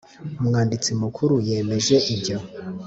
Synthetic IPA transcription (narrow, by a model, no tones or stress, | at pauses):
umŋaːndit͡simukʰuɾuje̞ːme̞ʒe̞ʔiɲɟa